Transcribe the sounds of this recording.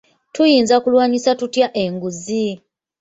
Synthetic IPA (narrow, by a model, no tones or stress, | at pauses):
tujiːnzakulwaːɲisatutjaʔe̞ŋɡuzi